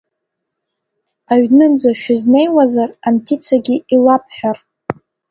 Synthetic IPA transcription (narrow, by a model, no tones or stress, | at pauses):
aɥnɨnd͡zaʃᶣʊzne̞jwazarantʰit͡sʰaɡʲiilapʰħᶣar